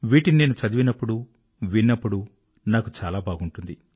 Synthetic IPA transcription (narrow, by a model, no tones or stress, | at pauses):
ʋiːʈinineːnut͡ʃɐd̪iʋinɐpːuɽu | ʋinːɐpːuɽu | naːkut͡ʃaːlaːbʱaːɡuɳʈund̪i